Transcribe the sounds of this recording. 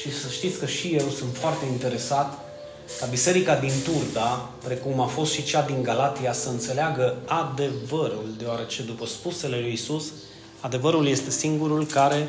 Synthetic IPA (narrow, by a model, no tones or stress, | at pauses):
ʃisəʃt̪it̪sʲkəʃijewsunt̪foart̪e̞int̪e̞ɾe̞sat̪ | kabise̞ɾikad̪int̪urd̪a | pɾe̞kumafo̞st̪ʃit͡ʃad̪iŋɡalat̪iasəɨnt̪se̞leaɡəad̪e̞vəɾuld̪e̞oaɾe̞t͡ʃe̞d̪upəspuse̞le̞lujisus | ad̪e̞vəɾulje̞st̪e̞siŋɡuɾulkaɾe̞